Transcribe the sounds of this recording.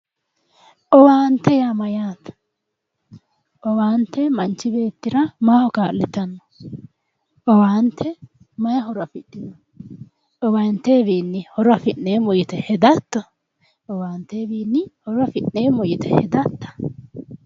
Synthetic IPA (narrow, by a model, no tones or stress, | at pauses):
ʔɔwaːnt̪ːɛjamɐjaːt̪ɐ̥ | ʔɔwaːnt̪ːɛmɐnt͡ʃːɪbe̞ːt̪ːɪɾɐmaːhɔkaːlːɪt̪ɐnːɔ̥ | ʔɔwaːnt̪ʰːɛ | mɐjɐɦɔɾɐfɪɗːɪd̪ɔ | ʔɔwɐnt̪ːeːbiːnːɪhɔɾɐfɪʔneːmɔjɪt̪ɛhɛd̪ɐt̪ːɔ | ʔɔwaːnt̪ːeːbiːnːɪhɔɾɐfɪʔneːmɔjɪt̪ɛ̰hɛd̪ɐt̪ːɐ̥